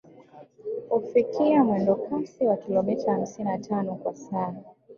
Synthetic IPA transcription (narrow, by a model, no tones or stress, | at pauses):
ufikiamwɛndɔkasiwakilɔmɛtaham̩sininatʰanɔkwasaa